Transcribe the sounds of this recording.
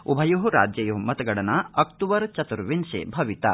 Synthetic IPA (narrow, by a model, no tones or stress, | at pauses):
ubʱɐjuɦuɾa̰ːd͡ʒjɐjuɦmɐt̪ɐɡɐɽɐnɐɐkt̪uʋɐɾt͡ʃɐt̪uɾʋinʃḛːbʱɐʋit̪ɐ̰